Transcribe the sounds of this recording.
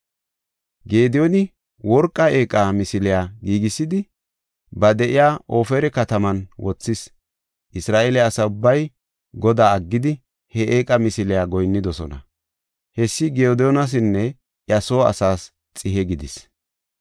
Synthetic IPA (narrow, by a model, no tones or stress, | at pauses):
ɡe̞ːd̪ɪjɔnɪ | wɔɾkʼːɐe̞ːkʼamɪsɪlɪjaːɡiːɡɪsːɪd̪ɪ | bɐd̪ɛʔɪjaːʔoːfɛɾɛkɐt̪ɐmɐnwɔt͡sːɪs | ʔɪsɾaːʔelɛɐsɐʊbːɐj | ɡɔd̪aːɐɡːɪd̪ɪ | hɛʔeːkʼɐmɪsɪlɪjaːɡɔjnːɪd̪ɔsɔnɐ̰ | hɛsːɪɡɛod̪ɛjɔnɐs̬ɪnːɛ | ʔjɐsoːɐ̰saːs | t͡sʼɪɦɛɡɪd̪ɪs